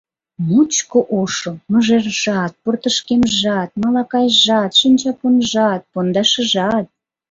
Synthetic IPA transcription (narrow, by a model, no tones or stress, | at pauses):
mut͡ɕkoʔoʃŏməʒerʒɑt̪̚port̪əʃkemʒɑt̪̚mɑlɑkɑjʒɑt̪ʃinʲt͡ɕɑponʒɑt̪̚pond̪ɑʃə̆ʒɑt̪̚